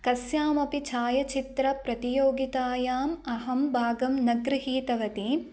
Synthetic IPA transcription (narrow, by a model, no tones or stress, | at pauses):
kɐsjaːmɐpit͡ʃʰaːjɐt͡ʃit̪ɾɐpɾɐt̪ijoːɡit̪aːjaːmɐɦɐmbʱaːɡɐmnɐɡɾɨɦiːt̪ɐʋɐt̪i